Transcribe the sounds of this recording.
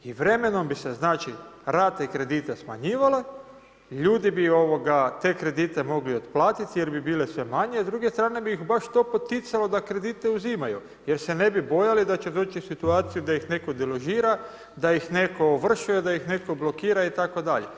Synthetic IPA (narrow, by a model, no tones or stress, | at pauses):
iʋɾe̞me̞no̞mbiseznaːt͡ʃiɾat̪ekɾe̞d̪iːt̪esma̰ɲiːʋale̞ | ʎuːd̪ibio̞ʋo̞ɡat̪e̞ːkɾe̞d̪iːt̪e̞mo̞ɡlio̞t̪plˠaːt̪it̪ije̞ɾbibiːle̞sʋe̞maɲezd̪ɾuːɡest̪ɾaːne̞biixbaʃt̪o̞ːpo̞t̪it̪salo̞d̪akɾe̞d̪it̪e̞uzimaju | jeɾse̞ne̞bibo̞jalid̪at͡ʃe̞d̪o̞ːt͡ʃisit̪uaːt̪sijud̪aixne̞ko̞d̪eloʒiːɾa | d̪aixne̞ko̞ʋr̩ʃuje̞d̪aixne̞koblo̞kiːɾait̪ako̞d̪aʎḛ